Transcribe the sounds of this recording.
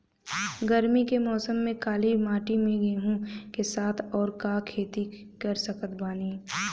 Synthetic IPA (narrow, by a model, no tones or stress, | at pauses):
ɡəɾmikemɔːsəmːẽkaːlimaːʈimẽɡeɦũkesaːt̪ʰɔːɾkakʰeːt̪ikɐɾsəkət̪baːniː